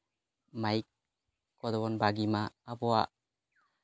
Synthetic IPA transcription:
majk̚ | kɔdɔbɔnbaɡimaːbɔaʔ

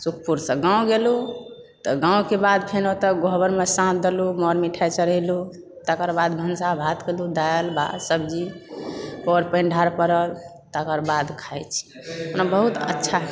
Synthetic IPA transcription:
suk̚ʰpuɾsə̃ɡãw̃ɡelu | t̪ɔɡãũkebad̪̚pʰenot̪əɡʱoɦbəɾmesãt̪̚ʰd̪elumɔɾmiʈʰajt͡ʃəɾəlu | t̪əkəɾbad̪bʱənsabʱat̪kelud̪ajəlbʱa̰səbd͡ʒi | pɔɾpə̃nɖʱaɾpəɾəl | t̪əkəɾbad̪kʰajt͡ʃʰi̥ | onabəɦut̪ə̰tːʃʰa

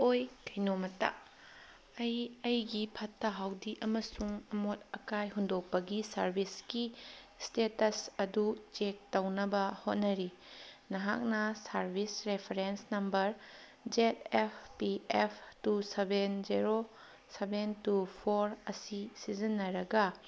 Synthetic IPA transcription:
ojkʰɐjnomɐta̰ | ɐjɐjɡipʰɐtːɐɦawdiʔɐmɐsuŋɐmot̚ɐkajɦundok̚pɐɡisɐɾbʱiskistetɐsɐdut͡ʃek̚tɐwnɐbɐhot̚nɐɾi | nɐɦa̰k̚nɐsɐɾbʱisɾepʰeɾensnɐmbɐɾd͡ʒetepʰpiepʰtusebenzeɾo | sebentupʰoɾɐsisizinːɐɾɐɡɐ

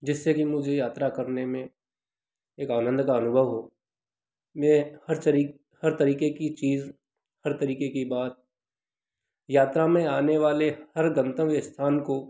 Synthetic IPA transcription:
d͡ʒɪsːekimʊd͡ʒʱejaːt̪ɾakɐɾnemẽ | eːkaːnə̃nd̪kaɐnʊbʱəʋɦoː | mẽhɐɾɾi | hɐɾt̪əɾiːkekit͡ʃiːz | hɐɾt̪ɐɾiːkekibaːt̪̚ | jaːt̪ɾamẽaːneʋaːlehɐɾɡə̃nt̪ə̃ʋɪst̪ʰaːnko

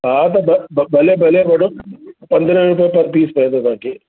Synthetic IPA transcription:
ɦat̪ɐbbɐlebʱɐleʋɐɽõpɐ̃nd̪ɾə̃ɾʊp̬ijãpɐɾpiːspɛɦẽd̪ot̪ãːkeː

